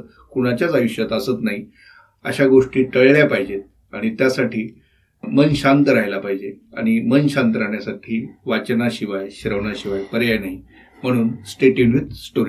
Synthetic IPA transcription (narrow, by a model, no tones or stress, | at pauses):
kuɽ̃at͡ɕjat͡saʋiɕjat̪əsət̪naɦi | ə̰ɕaɡoʂʈiːʈəɭɭjapaɦid͡ʑet̪̚ | aɽ̃it̪jasaʈʰiː | mənɕant̪əɾaɦjlapaɦid͡ʑea̰ɽ̃imənɕant̪əɾaɳjasaʈʰiːʋat͡ɕnaɕiʋajɕɾəʋnaɕiʋajpəɾjajnaɦi | m̤əɽ̃uːnsʈeʈiɳit̪sʈoɾ